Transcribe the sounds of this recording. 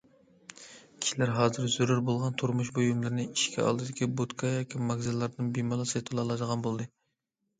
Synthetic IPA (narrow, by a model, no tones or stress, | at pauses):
kʲʰi̥ʃilæɾɦɑːzɨɾzuɾuɾbolˠʁɑnt̪ʰuɾmuʃbojumlˠɨɾɨnɪiʃkʲʰɛ̰ɑ̰lˠd̪ɨd̪ɪkʲibot̪kʰɑjɑːkʲʰimɑɡzɨlˠːɑɾnɨnbimɑlˠɑsɨt̪ʰɑlˠɑlˠɑd̪əʁɑnbolˠd̪ɨ